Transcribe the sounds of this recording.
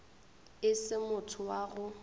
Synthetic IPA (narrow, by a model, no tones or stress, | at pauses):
ɪsɪmʊtʰʊwaɣʊ